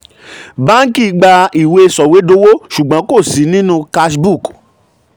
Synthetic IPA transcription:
bã˦ŋ̩˦ki˦˨˦ɡ͡ba˧i˨we˧sɔ˨we˨˦do˦wo˦ʃu˨ɡ͡bã˨˦ko˦˨si˨˦nĩ˦nũ˦ka˧ʃbu˦˨k

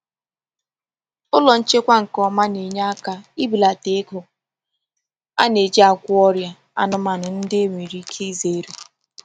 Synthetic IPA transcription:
ʊ˦lɔ˨n̩˦t͡ʃe˦kʷa˦ŋ̩˨kɔ˨ma˦ne˨ɲa˦a˦ka˦i˦bi˨la˨te˦kʊ˨ | a̰˦ne˨d͡ʒe˦a˨kʷʊ˦ɔ˦ɾja˨ | a̰˨nʊ˦ma˨nʊ˨n̩˦dɪ˦e˦mʷe˨ɾi˦kʰi˦i˦ze˨˦ɾe˨

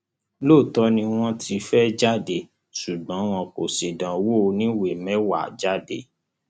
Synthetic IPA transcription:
lo˦˨tɔ˦nĩ˧w̃ɔ̃˦tʰi˧fɛ˦d͡ʒa˦˨de˧ | ʃu˨ɡ͡bã˨˦w̃ɔ̃˧ko˨se˨dã˨wo˦˨˧nĩ˦we˨mɛ̃˨˦wa˦˨d͡ʒa˦˨de˧˦

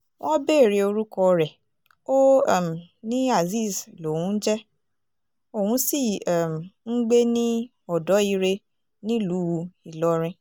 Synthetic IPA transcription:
w̃ɔ̃˦be˦˨ɾe˧o˧ɾu˦kɔ˧ɾɛ˨ | o˦˨m˨nĩ˦a˦˨zi˦˨slo˨wũ˦n̩˦d͡ʒɛ˦ | o˨hũ˧˦si˦˨m˨ŋ̩˦ɡ͡be˦nĩ˦ | ɔ˦˨dɔ˨˦i˧ɾe˧ | nĩ˦lu˨˦wu˧i˨lɔ˨˦ɾ̃ĩ˧

